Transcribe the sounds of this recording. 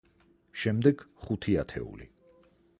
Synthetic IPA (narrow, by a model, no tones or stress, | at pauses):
ʃɛmd̪ɛɡ̥χut̪ʰiat̪ʰɛ̰ṵlḭ